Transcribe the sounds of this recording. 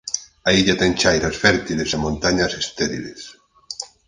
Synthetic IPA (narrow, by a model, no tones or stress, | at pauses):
aiʎat̪ɛŋt͡ʃajɾasfɛɾt̪ilesemont̪aɲasest̪ɛɾḭlḛs